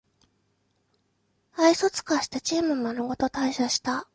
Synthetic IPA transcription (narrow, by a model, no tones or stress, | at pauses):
aiso̞t͡sɨ̥kaɕi̥t̪at͡ɕiːmɯ̟manoɡo̞t̪o̞t̪aiɕaɕi̥t̪a